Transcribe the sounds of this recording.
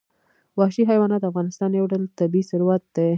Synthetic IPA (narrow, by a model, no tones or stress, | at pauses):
wɑʃiɦajwɑnɑt̪d̪əafɣɑnɪst̪ɑnjawɖalt̪abiisʊɾwat̪̚d̪ə